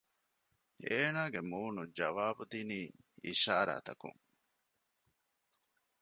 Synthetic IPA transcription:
eːnaːɡemuːnud͡ʒɐʋaːbud̪iniːḭʃaːɾa̰ːt̪ɐkṵŋ

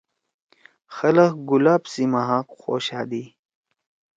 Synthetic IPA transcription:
xɐlɐxɡulaːbsimaɦãkxo̰ːɕaːd̪i

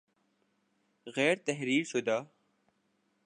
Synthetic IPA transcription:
ɣɛːɾt̪ɐɦɾiːɾsud̪aː

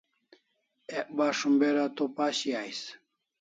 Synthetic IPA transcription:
eʔbaʂumbeɾat̪opaɕiajs

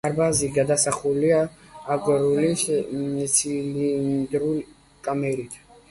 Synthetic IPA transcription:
aɾbaziɡad̪asaχuliaːɡɔɾulissʰilind̪ɾul | kʼamɛɾit̪ʰ

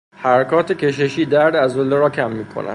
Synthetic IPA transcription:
hæɾækʰɒːt̪ʰecʲʰe̞ʃ̬e̞ʃiːd̪æɾd̪æzolːeɾɒːcʰæmːiːkʰo̰nʔæ̰nd̪̥

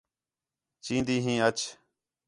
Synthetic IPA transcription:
t͡ʃĩːnd̪iːɦĩːət͡ʃ

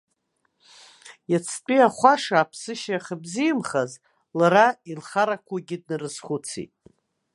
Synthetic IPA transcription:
jat͡sʰt͡pʼiaχʷaʂaːpʰsɨʃaaχəbzijmχaz | laɾailχaɾakʷʰaɡʲɪd̚nɨrɨsχʷʊt͡sʰḭtʼ

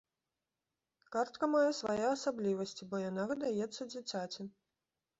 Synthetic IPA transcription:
kart̪̚kɐmajɛsvajɛasablʲivɐsʲt͡sʲibɔjanavɨd̪ajɛt̪sːɐd͡zʲit͡sʲat͡sʲi

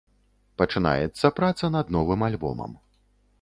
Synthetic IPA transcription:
pɐt͡ʂɨna̰jɛt̪sːɐpɾat̪sɐnɐd̪nɔvɨmalʲbɔ̰mɐ̰m

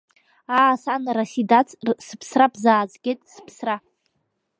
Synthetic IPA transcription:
aːsanrasidat͡sʼsɨpʰsrapʰzaːd͡zɡʲetʼsɨ̥pʰsra

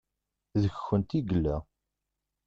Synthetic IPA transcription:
ðəçxːənt̪iɡəlːæ

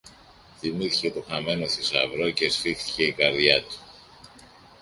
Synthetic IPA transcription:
θimiθice̞t̪o̞xɐme̞nost̪isɐ̰vɾoce̞sfixθi̥ce̞ikɐɾðʝɐt̪u̥

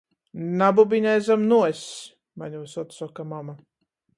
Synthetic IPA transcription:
nabubiɲɛjzamnuɔs | maɲusɔt̪sɔkamama

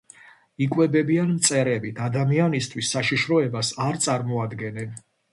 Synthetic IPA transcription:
ikʼwɛbɛbianmt̪sʼɛɾɛbit̪ʰad̪amianist̪ʰwisːaʃiʃɾɔɛbasaɾt̪sʼaɾmɔad̪ɡɛnɛn

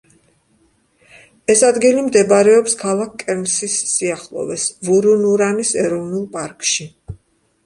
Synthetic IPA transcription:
ɛsad̪ɡilimd̪ɛbaɾɛɔpskʰalˠak̚ʰkʼɛɾmsisːiaχlˠɔ̰vɛsvuɾunuɾanisɛɾɔvnulˠpʼaɾkʼʃi

